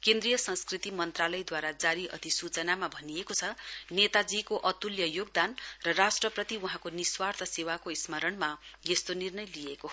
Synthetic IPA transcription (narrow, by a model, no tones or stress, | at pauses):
kend̪rijʌsʌ̃nskrit̪imʌnt̪ralʌjd̪waɾad͡zaɾiʔʌ̰t̪isut͡sʌnamabʱʌniekot͡sʰʌnet̪ad͡zikoʔʌt̪uljʌjoɡ̚d̪anrʌrasʈrʌprʌt̪iuɦãkoniswart̪ʰʌsewakoismʌɾʌnmajest̪onirnʌjlieko